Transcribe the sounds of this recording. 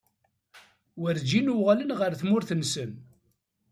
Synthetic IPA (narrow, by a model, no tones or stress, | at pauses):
wəɾd͡ʒinuʁalənʁəɾθmʊɾθənsən